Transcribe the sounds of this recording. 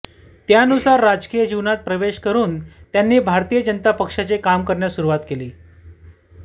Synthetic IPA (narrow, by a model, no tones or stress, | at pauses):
t̪jaənusaɾːad͡zkijəd͡ʑiʋnat̪̚pɾəʋeɕkəɾuːnt̪janːiːbʱaɾt̪ijəd͡ʑənt̪apəkʂat͡sekamkəɾɳjasuɾuʋat̪keliː